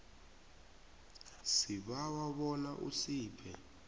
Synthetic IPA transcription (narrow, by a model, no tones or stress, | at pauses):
siɓawaɓɔlaʔṵsiːpʰɛ